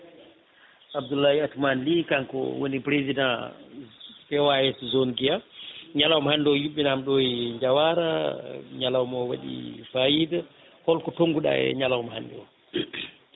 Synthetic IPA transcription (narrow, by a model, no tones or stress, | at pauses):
abdulːahiatumanlikaŋkɔ̰wo̰nipɾezidã | fɛwaɛszonɡijaɲalawmhandɔjuɓːɛnamɗɔjɲd͡ʒawaɾaɲalawmɔwa̰ɗḭfajida | hɔlkɔtoŋɡuɗa̰ɛ̰ɲalawumha̰ndɔ̰